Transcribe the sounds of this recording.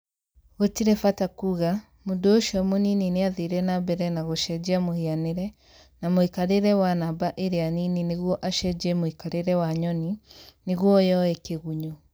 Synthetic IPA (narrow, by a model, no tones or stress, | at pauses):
ɣotiɾɛfatakuɣa | modooʃɔmoninineaðeɾɛnabɛɾɛnaɣoʃɛd͡ʑiamohianeɾɛ | namoikaɾeɾɛwanabaʔeɾeaninineɣwɔʔaʃɛd͡ʒɛmoikaɾeɾɛwaɲɔnineɣwɔjɔɛkeɣuɲo